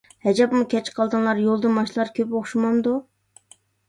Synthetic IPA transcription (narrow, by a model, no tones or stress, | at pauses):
hɛd͡ʒɑpmukʲʰɛt͡ʃqʰɑlˠd̪ɨnlˠɑɾjolˠd̪ɨmɑʃlˠɑɾkʲʰøpoχʃumɑmd̪u